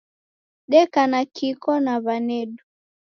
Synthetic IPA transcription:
ɗɛkanakikɔnaβanɛɗu

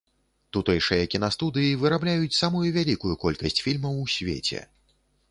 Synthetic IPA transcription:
t̪ut̪ɨjʂɨjɐkʲinast̪ud̪ɨjivɨɾablʲajut͡sʲsamujuvʲalʲikujukɔlʲkɐsʲt͡sʲfʲilʲmɐwsʲvʲḛt͡sʲɛ̰

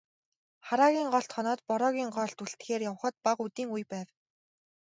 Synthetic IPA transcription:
χaɾaːɣʲiːŋɢɔɬt̪χɔnɔːt̪pɔɾɔːɣʲiːŋɢɔːɬt̪uɮt̪xeːrjaw̆χə̆t̪̚paqut̪iːŋujpæːw

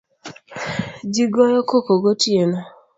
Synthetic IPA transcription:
d͡ʒiɡɔjɔkokoɡotienɔ

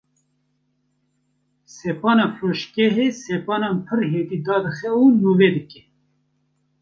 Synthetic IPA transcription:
sɛpɑːnɑːfɾoːʃkɛɦeːsɛpɑːnɑːnpʰɨɾɦeːd̪iːd̪ɑːd̪ɨxɛunuːveːd̪ɨkɛ̥

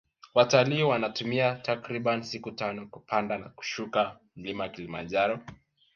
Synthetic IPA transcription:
wataliːwanatumiatakɾiɓansikutanɔkupʰandanaku̥ʃuka | m̩limaakilima̰nd͡ʒaɾɔ

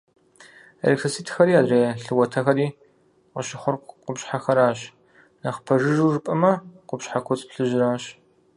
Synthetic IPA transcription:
ḛɾektʰɐsiːtʰxɐɾiːaːdreːɬɨwɐtʰɐxɐɾiː | qəʃɪχʷʊrqʷʊpʃħaxɐɾaːɕ | nɐχpʰɐʒɨʒuːʐɨpʼɐmɐqʷʊpɕħakʷʰɔt͡sʼpɬɨʒɪɾaːɕ

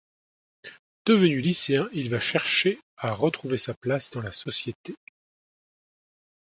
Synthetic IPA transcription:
d̪̥əvənyliseɛ̃ʔilvaʃɛʁʃeaʁət̪χuvesaplasd̪ɑ̃lasɔsjet̪e

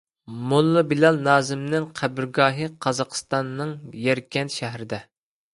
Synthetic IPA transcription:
mulˠːɨbilɑlˠnɑːzɪmnɪŋqʰæbɪɾɡɑːɦɨqʰɑzɑqʰə̥st̪ɑnːɨŋjɛɾkʲʰɛnʃæɦɾɪd̪ɛ

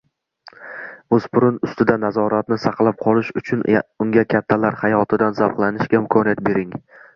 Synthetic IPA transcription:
ɵz̥pʰʊɾʊnʊst̪ɪd̪anazɒɾat̪nɪsɑqlˠap̚qʰɒlˠɪʃʊt͡ʃʰʊnʊŋɡʲakʲʰat̪ʰːalaɾhajɒt̪ʰɪd̪anzapqlˠanɪʃɡʲaɪmkʰɒnijat̪̚be̞ɾɪŋ

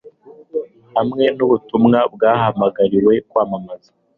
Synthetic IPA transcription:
hamŋe̞nuβutumŋabɡaːhamaɡaɾiwe̞kwaːmamazḁ

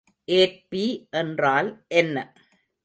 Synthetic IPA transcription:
ʔeːʈ̚piʔɛndraːlʔɛnːɐ

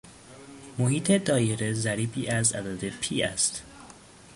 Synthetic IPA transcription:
mohiːt̪ʰe̞d̪ɒːjeɾezæɾiːbiːʔæzæ̰d̪ɒːd̪e̞pʰiːæ̰st̪

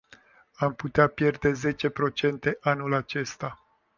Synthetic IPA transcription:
amput̪eapje̞rd̪e̞ze̞t͡ʃe̞pɾo̞t͡ʃe̞nt̪e̞ʔanulat͡ʃe̞st̪a

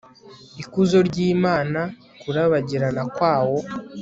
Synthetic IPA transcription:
ikuzo̞ɾɟiːmaːna | kuɾaβaɟiɾanakwaːwo̞

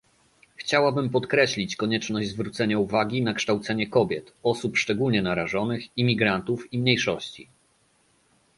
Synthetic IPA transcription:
xt͡ɕawabɘmpɔt̪kɾɛɕlʲit͡ɕkɔɲɛt͡ʂnɔʑd͡ʑzvɾut̪sɛɲauvaɡʲinakʂt̪awt̪sɛɲɛkɔbʲjɛt̪ɔsupʂt͡ʂɛɡulɲɛnaɾaʐɔnɘximʲiɡɾant̪ufimɲejʂɔɕt͡ɕḭ

